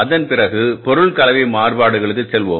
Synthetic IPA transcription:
ɐðɐnpɪrɐɣɯpɔɾɯɭkɐlɐʋɐɪmaːrbaːɽɯɣɐɭɯk̬ːɯt͡ʃsɛlʋo̰ː

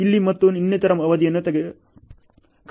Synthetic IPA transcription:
ilːimɐt̪ːuninjɐt̪ɐɾɐmɐʋɐd̪ijɐnːut̪ɐɡe | k

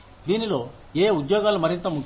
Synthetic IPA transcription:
d̪iːnilo̞ː | eːud̪jɔːɡaːlumɐɾint̪ɐmuk

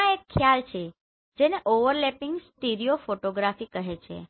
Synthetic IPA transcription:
ãekʰːjalt͡ʃʰe | d͡ʒeneʔoʋəɾlɛpɪŋɡsʈiɾiofoʈoɡɾafikəɦet͡ʃʰḛ

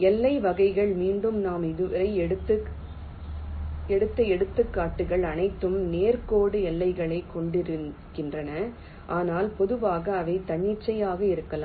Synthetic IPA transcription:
ɛlːɐɪʋɐɣɐɪɣɐɭmiːɳɖɯmnaːmɪðɯɾɐɪɛɽɯt̪ːɯ | ɛɽɯt̪ːɐɛɽɯt̪ːɯkːaːʈːɯɣɐɭɐnɐɪt̪ːɯmneːɾkoːɽɯɛlːɐɪɣɐɭɐɪkːɔɳɖɪɾɯkːɪndrɐnɐ | ʔaːnaːlpɔðɯʋaːɣɐːʋɐɪt̪ɐɳːɪʈt͡ʃːɐjaːɣɐɪɾɯkːɐlaː

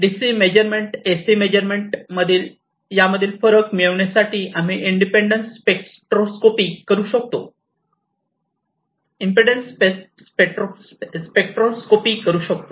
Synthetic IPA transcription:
ɖisimed͡ʑəɾmeɳʈesiːmed͡ʑəɾmeɳʈməd̪ʱiːl | jaməd̪ʱːiːlfəɾəkmiɭəʋɳjasaʈʰiːʔam̤iʔiɳɖipeɳɖənspekʈɾoskopiːkəɾuːɕək̚t̪o̰ | impeɖənspe | peʈɾo | spek̚ʈɾoskopiːkəɾuːɕək̚t̪o

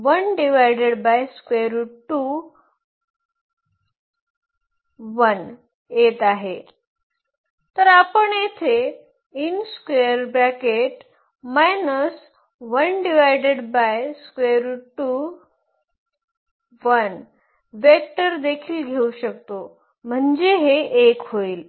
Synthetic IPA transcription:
ʋənɖiʋajɖeɽbajskʋeɾuʈu | ʋən | jet̪aɦe | t̪əɾapəɳjet̪ʰe | inskʋeəɾbɾakeʈ | majnəs | ʋənɖiʋajɖeɽbajskʋeɾʈu | ʋən | ʋek̚ʈəɾd̪ekʰiːlɡʱeuɕək̚t̪o | m̤əɳd͡ʑeɦeʔekɦoiːl

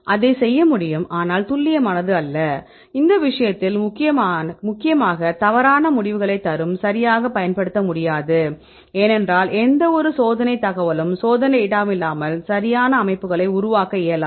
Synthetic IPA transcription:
ʔɐðɐɪsɛjːɐmʊɽɪjɯmaːnaːlt̪ʊlːɪjɐmɐnɐðɯɐlːɐ | ɪnd̪ɐʋɪʂɐjɐt̪ːɪlmʊkːɪjɐmːmʊkːɪjɐmaːɣɐt̪ɐʋɐɾaːnɐmʊɽɪʋɯɣɐɭɐɪt̪ːɐɾɯmsɐɾɪjaːɣɐpɐjɐnpɐɽɯt̪ːɐmʊɽɪjaːðɯ | eːnɛndraːlʔɛnd̪ɐɔɾɯsoːðɐnɐɪt̪ːɐɣɐʋɐlɯmsoːðɐnɐɪɪɽaːmɪlːaːmɐlsɐɾɪjaːnɐːmɐɪpːɯɣɐɭɐɪʊɾʊʋaːkɐɪjɐlaː

